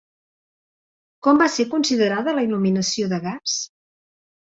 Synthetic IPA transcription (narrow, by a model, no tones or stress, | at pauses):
kɔmbaseɾkunsiðəɾaðələiluminəsioðəɣas